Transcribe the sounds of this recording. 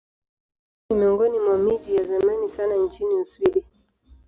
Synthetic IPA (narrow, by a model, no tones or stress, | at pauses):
nimiɔŋɡɔnimwamid͡ʒijazamanisanant͡ʃiniuswiɗi